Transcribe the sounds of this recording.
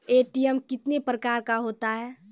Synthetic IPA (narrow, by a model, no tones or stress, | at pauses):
eːʈijɛmkɪt̪nepɾəkaːɾkaɦoːt̪aɦɛː